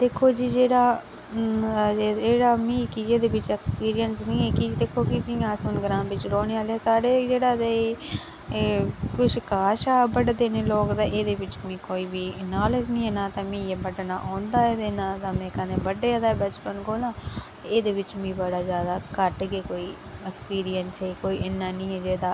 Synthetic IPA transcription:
d̪̥eːkʰoːd͡ʒiːd͡ʒeːɽaː | eːɽaːmĩːkid͡ʒeːd̪eːbɪt͡ʃɛːkspiːɾijənsnĩːɛːkid̪eːkʰoːkɪd͡ʒiãːsʊnɡəɾãːmbɪt͡ʃɾoːɽ̃eːaːlɛːsaːɽeːd͡ʒeːɽaːd̪e | kʊʃʰkaːʃaːbəɽd̪eːneːloːkd̪aːʔeːd̪eːʋɪt͡ʃmĩːkoːiːbiːənaːleznĩːɦɛ̃ːnãːt̪ãːmĩːebəɖnaːʔãːnd̪aːeːd̪eːnãːt̪ãːmɛ̃ːkənẽːbəɖːeːd̪aːɛːbɛt͡ʃpənkoːlãːt̪eeːd̪eːʋɪt͡ʃmĩːbəɽaːzjaːd̪aːkəʈɡekoːiː | ɛkspiːɾijənsɦɛːkoːiːʔɪnːaːnĩːɛːd͡ʒeːd̪aː

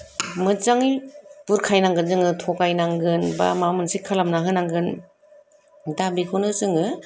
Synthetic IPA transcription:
mɯt͡ʃaŋipuɾkʰajnaŋɡɯnzɯŋɯtʰɔkajnaŋɡɯnba̰mamɯnsikʰalamnaɦɯnaŋɡɯn | dabikʰunɯɯzɯŋɯ

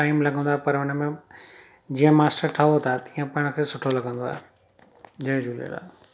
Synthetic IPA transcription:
ʈaːɪmlɐɡə̃nd̪aːpɐɾʊnmẽ | d͡ʑiːə̃maːsʈəɾʈʰaːʋot̪ʰat̪ijə̃pɐ̃ɪɽ̃əkʰeːsʊʈʰolɐɡʱə̃nd̪oa̰ | d͡ʑɐ̃d͡ʒulḛla̰ː

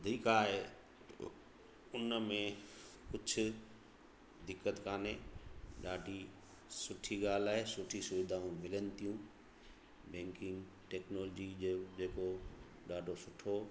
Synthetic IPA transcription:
d̪ʱiːkaːɦe | ʊnəmẽkʊd͡ʑʱʰʊ̆ | d̪ɪkːət̪kaːneːɗaːɖʱi | sʊʈʰiɡaːl̤aːɦesʊʈʰisʊʋɪd̪aːũmɪlənɪ̆t̪ijũ | bɛ̃ːŋkɪ̃ŋɡ | ʈɛːknoːlɔd͡ʑid͡ʑed͡ʑeːko | ɗaːɖʱosʊʈʰo

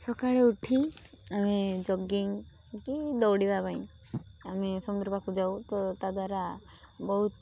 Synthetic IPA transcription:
sɔkaɭeuʈʰiamid͡ʒɔɡiŋ | kid̪ɔwɽibabaĩ | amisɔmund̪ɾɔpakud͡ʒawt̪ɔt̪ad̪waɾa | bɔɦut̪

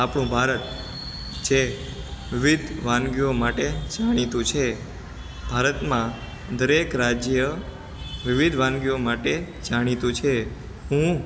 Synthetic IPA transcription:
apɽ̃ũbʱaɾət̪ | d͡ʒe | ʋɪʋid̪ʱʋãnɡjomaʈed͡ʒaɽ̃it̪ũt͡ʃʰe | b̥ʱaɾət̪mã | d̪əɾekɾad͡ʒjjə | ʋɪʋid̪ʱʋãŋɡjomaʈe | d͡ʒaɽ̃it̪ũt͡ʃʰe | ɦũ

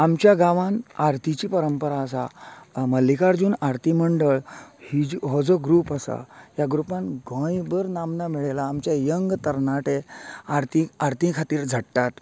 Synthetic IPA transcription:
amt͡ɕjaɡãʋãnaɾt̪ʰit͡ɕiːpəɾəmpəɾaəsa̰məlːikaɾd͡zuːnaɾt̪ʰiməɳɖəɭhid͡ʑɦɔd͡zɔɡɾuːpəsa̰ɦjaɡɾupãnɡʱə̃jbəɾnamnamiɭelaːmt͡ɕjajəŋɡt̪əɾnaʈeaɾt̪ĩaɾt̪ĩkʰat̪iːɾd͡zʱəɽʈːat̪

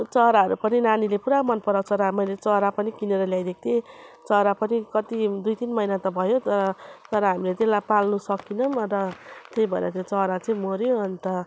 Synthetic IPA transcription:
t͡sʌɾaʌɾupʌninanilepuɾamʌnpʌɾawt͡sʰʌɾamʌjlet͡sʌɦɾapʌnikineɾʌljajd̪ek̚ʰt̪ʰet͡sʌɾapʌnikʌt̪id̪ujt̪inmʌjnat̪ʌbʱʌjot̪ʌt̪ʌɾʌɦamilet̪elapalnusʌkinʌmɾʌt̪ejbʱʌḛɾʌt̪jot͡sʌɦɾat͡sʌĩmoɾjoʌnt̪ʌ

